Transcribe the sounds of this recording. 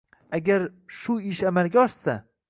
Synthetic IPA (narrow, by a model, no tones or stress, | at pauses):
aɡʲaɾʃʊɪʃamalɡʲaɒʃsa